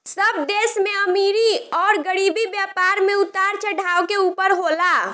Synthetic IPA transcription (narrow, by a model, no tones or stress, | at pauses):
səb̚d̪esmeəmiɾiɔːɾɡəɽibibjapaɾmeut̪aɾt͡ʃʰəɖʱaokeupəɾɦola